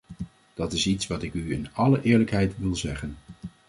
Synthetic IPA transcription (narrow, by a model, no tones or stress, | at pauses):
d̥ɑtɪsitsʋɑtɪkyɪnɑləʔɪːɹləkɦɛjtʋɪlˠzɛχən